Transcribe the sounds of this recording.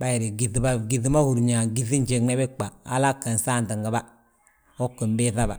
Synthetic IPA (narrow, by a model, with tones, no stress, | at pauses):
ba˦ji˨ɾi˨ɡi˨θi˨ba˦˨ɡi˨θi˦ma˦hu˨ɾɲa˨ɡi˨θi˦n˦d͡ʒe˨ŋnɛ˦bɪ˦k͡pa˨a̰˦la˦kːa˨n˨sa˦˨n˨ta˨ŋɡa˨ba˦ | o˦kːə˨m˦be˦θa˦ba̰˨